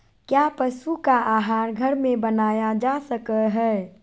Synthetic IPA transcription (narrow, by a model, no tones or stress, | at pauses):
kjaːpəʃukaʔaːɦaːɾɡʱəɾmẽbənaːjad͡ʒaːsəkəɦɛ